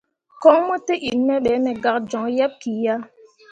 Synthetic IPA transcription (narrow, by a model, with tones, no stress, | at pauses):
kɔ˦ŋmɔ˦te˦ʔi˨nmɛ˦ɓɛ˨˦mɛ˨ɡa˨k̚d͡ʒɔ˨ŋja˦p̚ki˨ja˦